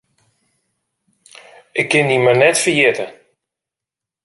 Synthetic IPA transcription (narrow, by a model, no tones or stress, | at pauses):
ɪkːɪndimənɛtfərjɪtə